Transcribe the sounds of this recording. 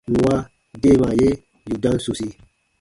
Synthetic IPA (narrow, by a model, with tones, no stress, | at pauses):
nũ˨wa˦ | de˦˨ma˨je˦ | ju˨dã˦n˦su˨si˧